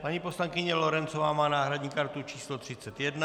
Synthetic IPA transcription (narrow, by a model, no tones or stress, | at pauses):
paɲiposlaŋkɪɲɛloɾɛnt͡sovaːmaːnaːɦɾadɲiːkaɾt̪ut͡ʃiːslot̪r̝̥it͡sɛt̪jɛd̪na